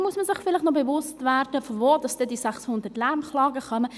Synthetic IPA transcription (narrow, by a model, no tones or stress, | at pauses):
muəsməsɪχfɪlɪχtnɔbɛʋʊstvæːɾd̥əfɔvoːd̥ɑsd̥ɛdisæχshʊnd̪ətlæɾmχlɑːɡəχœmə